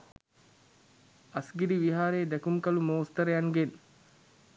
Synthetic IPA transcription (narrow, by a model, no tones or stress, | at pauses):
ɐsɡidiʋiɦaːɾeːd̪ækumkɐlumoːst̪əɾəjaŋɡen